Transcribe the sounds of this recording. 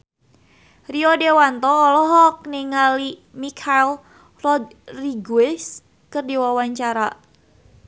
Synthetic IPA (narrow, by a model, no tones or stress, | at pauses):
riɔdewant̪ɔːlɔɦɔk̚niŋalimikʰal | rɔd̪ | riɡuɪs | kərdiwawaɲt͡ʃaɾa